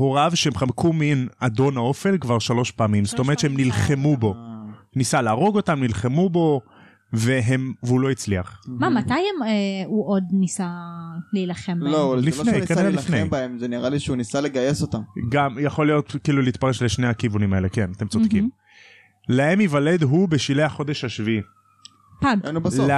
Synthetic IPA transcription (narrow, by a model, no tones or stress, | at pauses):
hoʁavʃeemχamkuminad̪o̞nao̞felkvaʁʃalo̞ʃpaːmimst̪oeʁt̪ʃeemnilχe̞mubo̞ | nisalaːʁo̞ɡo̞tamnilχe̞mubo̞ | veɦemveulo̞it͡sliaχmamat̪ajemeuʔod̪nisaleilaχemblolifnejkedaalifnejbaemzeniʁaliʃeunisale̞ɡajesotamɡamjaχo̞lijo̞tkiːluliit̪paʁe̞ʃleʃnehakivunimae̞le̞ke̞nat̪e̞mt͡sod̥̪kim | lahemivale̞d̪ɦube̞ʃilejhaχo̞d̪e̞ʃaʃvii | paɡnubas